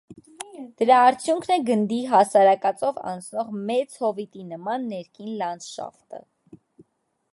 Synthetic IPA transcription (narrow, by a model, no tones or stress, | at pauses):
d̪̥əɾɑːɾt͡sʰjuŋkʰnɛɡənd̪iɦɑsɑɾɑkɑt͡sɔvɑ̰nt͡sʰnɔʁmɛt͡shɔvit̪inəmɑnːɛɾkʰinlɑnd͡zʃɑ̰ft̪ə̰